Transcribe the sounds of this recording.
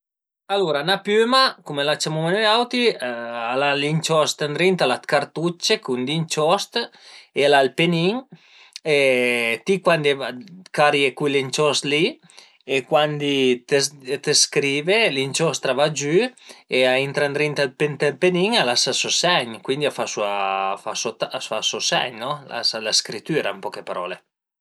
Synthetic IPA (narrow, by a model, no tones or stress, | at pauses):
aluɾanapømakumelat͡ʃːamumeneawt̪ialalint͡ʃɔst̪and̪ɾint̪alat̪kaɾt̪ut͡ʃːekund̪int͡ʃɔst̪elalpeniŋ | et̪ikwand̪evakaɾjekulint͡ʃɔst̪li | ekwand̪it̪et̪eskɾiːvelint͡ʃɔst̪ɾavad͡ʒyeaint̪ɾand̪ɾint̪alpent̪elpeniŋalasasosɛɲkwind̪iafasuafasot̪aafasosɛ̰ɲnɔla̰salaskɾit̪yːɾampɔkepaɾɔ̰ːle